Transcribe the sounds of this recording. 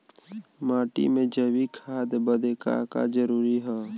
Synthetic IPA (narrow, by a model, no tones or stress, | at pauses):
maːʈḭmẽd͡ʒəbikʰaːd̪bəd̪eka̰ka̰d͡ʒəɾuːɾiɦɛː